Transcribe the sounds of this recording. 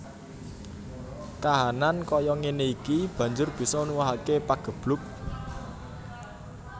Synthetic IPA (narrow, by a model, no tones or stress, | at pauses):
kaɦanankɔjɔŋeneikib̥ä̤ɲd͡ʒʊrb̥i̤sɔnuwaɦakepaɡ̥ə̤b̥lʊk̚